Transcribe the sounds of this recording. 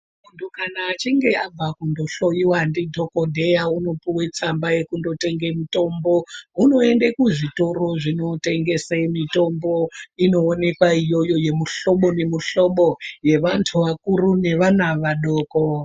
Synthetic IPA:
mundʰukanaːt͡ʃiŋɡe̞ab͡vakundo̞ɬojiwandidʱo̞kodʱejauno̞piwet͡sambaje̞kundo̞te̞ŋɡemito̞mbo̞uno̞endekuʐito̞ro̞ʐino̞teŋɡe̞semito̞mbo̞ino̞ːne̞kwaijo̞jo̞je̞muɬo̞ɓo̞ne̞muɬoɓoje̞ʋantʰuʋakurune̞ʋanaʋaɗoːko

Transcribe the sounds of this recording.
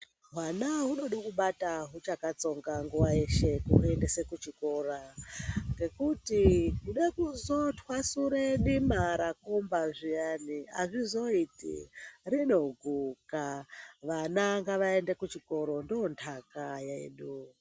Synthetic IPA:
ɦwanaɦuno̞ɗakuɓataɦut͡ʃakat͡so̞ŋɡaŋɡuwaeʃe̞kuue̞ndesekut͡ʃiko̞ra | ŋɡe̞kutikuɗekuzo̞tʰwasuɾeɗimaɾakombaʐijania̰ʐizo̞itḭrino̞ɡʱukaʋanaŋɡaʋae̞nde̞kut͡ʃiko̞ɾo̞ndoontʰakajaḛɗu

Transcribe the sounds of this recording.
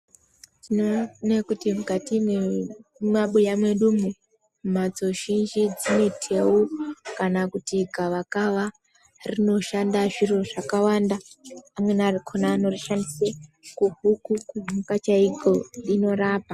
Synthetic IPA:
tinonekutimukatimwemaɓujamwe̞ɗumu | mad͡zo̞ʒind͡ʒid͡zino̞tʰe̞ukanakutiɡʱaʋakaʋa | rino̞ʃandaʐiroʐakawandaːmwe̞narikʰonaːno̞riʃandisekuɦukukumukat͡ʃaiɡo̞ɗino̞ɾaːpa

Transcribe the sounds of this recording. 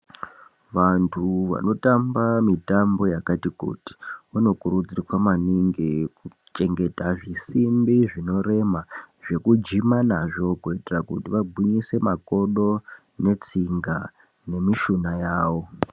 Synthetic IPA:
ʋantʰuʋa̰no̞tambamitambo̞jakatikṵti̥uno̞kuɾud͡zirikwamaniŋɡeku | t͡ʃe̞ŋɡe̞taʐisimbiʐino̞re̞maʐe̞kud͡ʒimanaʐo̞kuitirakṵtiʋaɡʱiɲise̞mako̞ɗo̞ | ne̞t͡siŋɡa | ne̞miʃunajaːwo̞

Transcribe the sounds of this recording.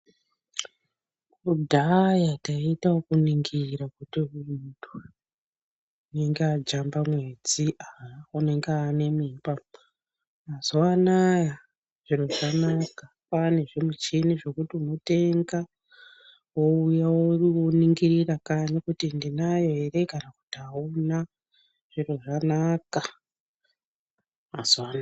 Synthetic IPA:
udʱajataitaokuniŋɡiɾakutiutu | une̞ŋɡead͡ʒambamwe̞d͡ziʔaune̞ŋɡeane̞mipa | azowanaja | ʐ̥iɾo̞ʐanaka | pane̞ʐimut͡ʃiniʐo̞kutimote̞ŋɡa | woujawouroniŋɡirirakaɲakutindinajo̞ɦe̞re̞kanaku̥tiaona | ʐ̥iro̞ʐanaka | maz̥ana

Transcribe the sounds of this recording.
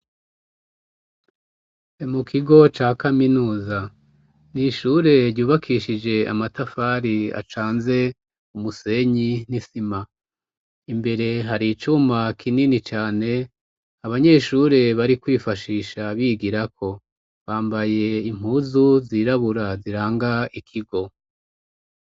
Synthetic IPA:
emukʰiɡo̞t͡ʃaːkaminuːza | niʃuːɾe̞ɾɟuːβakʰiʃid͡ʒe̞a̰matafaɾia̰t͡ʃaːnze̞ | umuse̞ɲinisima | imbe̞ɾe̞ɦaɾit͡ʃumakʰininit͡ʃaːne̞ | aβaɲe̞ʃuɾe̞βaɾikwiːfaʃiːʃaβiɡiɾakʰo̞ | βaːmbaje̞im̥uːzuziːɾaβuɾaziɾaːŋɡaikʰiɡo̞

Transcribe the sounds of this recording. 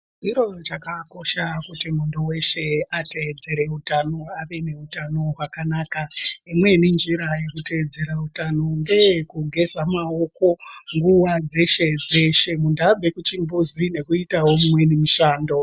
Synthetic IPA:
iɾo̞t͡ʃakako̞ʃakutimundowe̞ʃe̞ate̞d͡ze̞ɾe̞utanoaʋe̞ne̞utano̞ɦwakanaːkaimwe̞nind͡ʒiɾaje̞kute̞d͡ze̞ɾautano̞ŋɡe̞kuɡʱe̞zamaoko̞ŋɡuʋad͡ze̞ʃe̞d͡ze̞ʃe̞mundab͡ve̞kut͡ʃimbuzine̞kuitawo̞mumwe̞nimuʃaːndo̞

